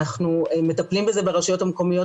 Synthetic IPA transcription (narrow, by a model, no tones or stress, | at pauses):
aχnuemet̪aplimbe̞ze̞beʁaʃajo̞thameko̞mijo̞